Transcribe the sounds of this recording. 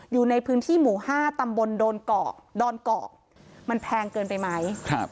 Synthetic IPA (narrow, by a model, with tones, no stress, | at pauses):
juː˨˩na˧jpʰɯː˦˥nt̪ʰiː˥˩muː˩˦haː˥˩t̪a˧mbo˧ndoː˧nkɔ̰ː˨˩k̚dɔː˧nkɔː˨˩k̚ | ma˧npʰɛː˧ŋkɤː˧npa˧jma˦˥jkʰa˦˥p̚